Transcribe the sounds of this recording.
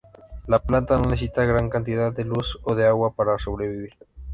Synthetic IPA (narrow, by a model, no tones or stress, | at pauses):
laplant̪anoenθes̬it̪aɣɾaŋkant̪iðaðd̪elusoðeaɣwapaɾaso̞β̞ɾe̞β̞iβ̞iɾ